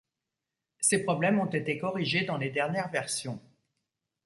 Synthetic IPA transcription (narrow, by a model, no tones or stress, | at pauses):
sepχɔblɛmɔ̃t̪et̪ekɔʁiʒed̪ɑ̃led̪ɛʁnjɛʁvɛʁsjɔ̃